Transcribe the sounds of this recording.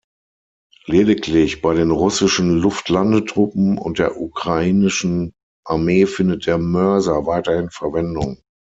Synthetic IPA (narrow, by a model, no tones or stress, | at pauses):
leːdɪkʰlɪçb̥aɪɾeːnʁʊsɪʃn̩lʊftʰlandətʁ̥ʊpm̩ʊ̰nt̚d̥eːɐʔukʁ̥aiːnɪʃn̩ | ʔaɐmeːfɪndət̚d̥eːɐmœɐzɐvaɪtɐhɪnfɛɐvɛndʊŋ